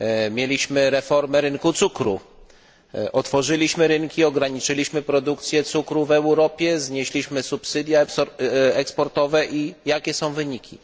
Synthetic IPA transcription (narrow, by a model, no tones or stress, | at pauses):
mʲjelʲiɕmɘɾɛfɔɾmɛɾɘŋkut̪sukɾṵ | ʔɔt̪fɔʐɘlʲiɕmɘɾɘŋkʲiɔɡɾaɲit͡ʂɘlʲiɕmɘpɾɔd̪ukt̪sʲjɛt̪sukɾuvɛwɾɔpʲjɛzɲeɕlʲiɕmɘsupsɘd̪ʲja | ɛkspɔɾt̪ɔvɛʔijakʲɛsɔ̃w̃vɘɲikʲi